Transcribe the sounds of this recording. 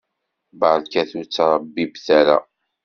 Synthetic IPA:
bɑlkæθut͡sːɑɾˤɑbːibθæɾæ̰

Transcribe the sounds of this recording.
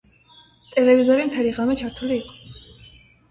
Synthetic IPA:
t̪ʼɛlɛvizɔɾimt̪ʰɛliʁamɛt͡ʃʰaɾt̪ʰuliːqʼɔ̥

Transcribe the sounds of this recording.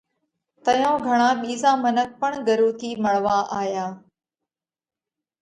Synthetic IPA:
t̪əjõːɡʱəɽ̃ãːɓiːzãːmənək̚pəɳɡəɾuːt̪ʰiːməɭʋaːʔaːjaː

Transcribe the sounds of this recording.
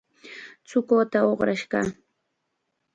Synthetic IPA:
t͡sʊkoːt̪aoχɾaʃɢɑ̰

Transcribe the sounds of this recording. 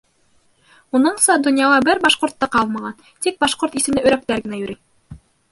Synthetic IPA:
unɤɴsɑd̪ŏnjɑlɑbɘɾbɑʃqŏɾt̪ːɑqɑlˠmɑʁɑn | t̪ik̚bɑʃqoɾt̪isɘ̆mnɘɵ̆ɾæk̚t̪æɾɡɘ̆næjɵ̆ɾʔi

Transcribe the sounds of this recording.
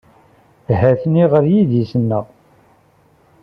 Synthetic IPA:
hæθniʁəɾjiðisənːəʁ

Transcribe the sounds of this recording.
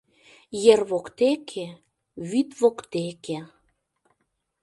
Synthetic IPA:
jerβokt̪ekʰe | βyt̪βokt̪eke

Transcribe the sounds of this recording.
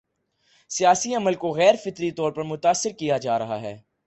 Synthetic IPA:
sijaːsiɐməlkoɣɛːɾfɪt̪ɾit̪ɔːɾpɐɾmʊt̪aːsːɪɾkijad͡ʒaːɾɐɦaɦɛ̰ː

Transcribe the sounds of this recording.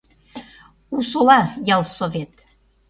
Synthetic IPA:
usolɑjɑlˠsovet̪̚

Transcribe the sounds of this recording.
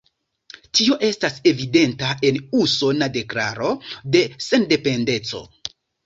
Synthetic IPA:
tio̞ʔe̞stase̞vide̞ntae̞nuso̞nade̞klaɾo̞de̞se̞nde̞pe̞nde̞t͡so̞̰

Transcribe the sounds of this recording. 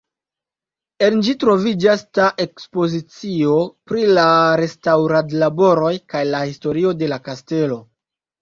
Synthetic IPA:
e̞nd͡ʒitɾo̞vid͡ʒastaʔe̞kspo̞zit͡sio̞pɾilaɾe̞stawɾadlabo̞ɾo̞jkajlahisto̞ɾio̞de̞lakaste̞lo̞

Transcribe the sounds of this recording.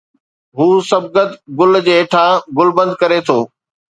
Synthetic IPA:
ɦuːsɐb̚ɡɐt̪ɡʊld͡ʑeːʈʰaɡʊlbə̃nd̪kɐɾet̪ʰoː

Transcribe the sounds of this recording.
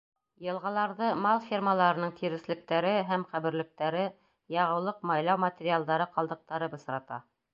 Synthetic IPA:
jɤ̆lˠʁɑlˠɑɾðɤmɑlˠfʲirmalˠɑɾɤ̆nɤɴt̪ʰiɾɘ̆slɘ̆k̚t̪æɾɘɦæmqæβɘ̆ɾlɘ̆k̚t̪æɾɘ | jɑʁɤ̆wlˠɤqmɑjlˠɑwmat̪ʲɪɾʲialˠd̪ɑɾɤqɑlˠd̪ɤ̆q̚t̪ɑɾɤbɤ̆s̆ɾɑt̪ɑ̰

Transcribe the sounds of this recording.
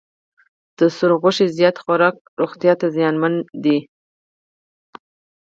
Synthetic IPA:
d̪̥əsʊɾɣʊʃezjɑt̪xaɾɑk̚ɾoɣt̪jɑt̪azjɑnmand̪i

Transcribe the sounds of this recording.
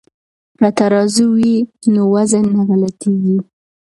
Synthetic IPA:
ɾat̪aɾɑzuwinowazanːaɾalat̪eɡi

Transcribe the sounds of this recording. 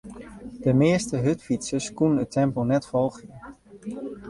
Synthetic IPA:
d̥əmɪəstəɦɵtfitsəskunənətʰɛmponɛtfɔlˠχə

